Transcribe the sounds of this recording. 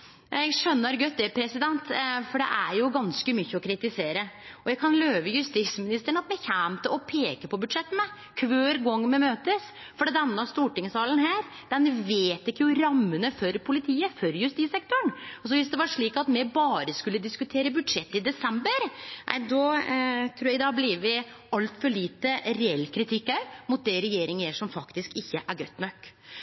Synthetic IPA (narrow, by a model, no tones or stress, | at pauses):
jɛɡʂœnːəɾɡœt̪ːɛpʰɾɛsɪd̪ɛnt̪fɔɖɛ̰ʔæɾjʊɡɑnskəmʏçːəɔkʰɾɪt̪ɪseːɾəɔjæɡkʰɑnløːʋəjʉst̪ismɪnɪst̪əɳ̩ɑt̪mɛçæːmt̪əɔpʰeːkəpʰɔbʉd̪ʂɛt̪ːənə | kʰʋøːɾɡɔŋːmɛmøːt̪əs | fɔɖiːd̪ɛnːəɑst̪uːʈɪŋsɑːlənɦæːɾ | d̪̥ɛnʋeːt̪ɪkːəjʊɾɑmːənəfɔɾpʰʊlɪt̪ʰiːəfɔɾjʉst̪iːsɛk̚t̪ʊɳɔs̬ɔʋɪsd̪ɛʋɑʂɭiːkɑt̪mɛbɑːɾəskʉlːəd̪ɪskʉt̪ʰeːɾəbʉd̪ʂɛt̪ːɪd̪ɛsɛmbəɾnʔæ̰ɪd̪ɔt̪ʰɾuːjæɡd̪ɑːbliʋʋɪ | ɑlt̪fɔɭiːt̪əɾɛɛlːkʰɾɪt̪ʰɪkːæmʊt̪̚d̪ɛɾɛjeːɾɪŋjeʂɔmfɑkt̪ɪskɪçːəʔæɾɡœt̪ːnœkː